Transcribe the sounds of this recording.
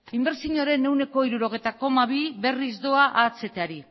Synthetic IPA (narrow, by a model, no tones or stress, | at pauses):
imbe̞ɾsiɲoɾe̞ne̞wne̞ko̞iɾuɾo̞ɣe̞jt̪ako̞maβ̞iβe̞rizd̪o̞aʔat͡se̞t̪eaɾi